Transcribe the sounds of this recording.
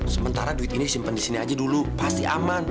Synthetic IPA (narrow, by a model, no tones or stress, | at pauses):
səmənt̪aɾaduɪt̪iniisimpəndisiniad͡ʒadulupast̪ia̰man